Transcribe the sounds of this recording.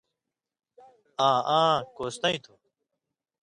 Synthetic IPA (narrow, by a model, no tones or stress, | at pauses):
ãːʔãːkoːst̪ɐ̃ĩt̪ʰu